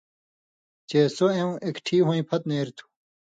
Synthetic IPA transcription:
t͡ɕesoẽw̃ʔekʈʰiːɦõĩpʰɐt̪neːɾt̪ʰu̥

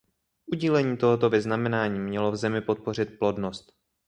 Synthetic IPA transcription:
ʔuɟilɛɲiːt̪oɦot̪o̞vɪznamɛnaːɲiːmɲɛlo̞vzɛmɪpo̞t̪̚po̞r̝ɪt̪̚plo̞dnost̪

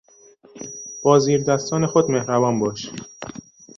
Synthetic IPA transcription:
b̥ɒːziːɾd̪æst̪ɒːne̞xod̪mehɾævɒːnbɒːʃ

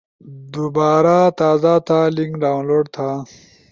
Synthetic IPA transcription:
d̪ubaːɾat̪aːzat̪ʰaliŋkɖaːwnloːɖt̪ʰa

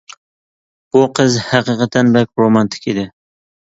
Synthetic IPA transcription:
b̥uqʰɨzhɑqɨqɑt̪ʰɛnbɛk̚ʲɾomɑnt̪ʰɪ̥kʲed̪ɪ

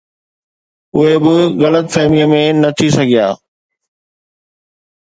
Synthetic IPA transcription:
ʊɦebɪɣɐlət̪feːmijəmẽnɐt̪ʰisɐɡʱijaː

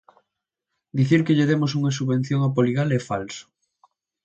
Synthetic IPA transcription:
d̪iθiɾkeʎeðemos̬uŋɐsuββẽn̟θjoŋapoliɣalɛfalsʊ̥

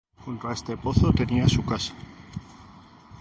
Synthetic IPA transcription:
xunt̪oaest̪e̞po̞θot̪e̞niasukasḁ

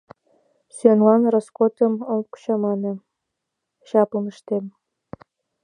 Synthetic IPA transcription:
syenlɑnroskot̪ə̆molku̥t͡ɕɑmɑnɤ̆ | ɕɑpɤ̆məʃt̪em

